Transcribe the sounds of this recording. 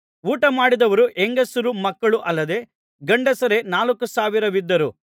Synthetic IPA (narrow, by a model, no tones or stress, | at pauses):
uːʈɐmaːɽid̪ɐʋɐɾuʔeŋɡɐsuɾumɐkːɐɭuʔɐlːɐd̪e̞ | ɡɐɳɖesɐɾe̞naːlɐkːusaːʋiɾɐʋid̪ːɐɾu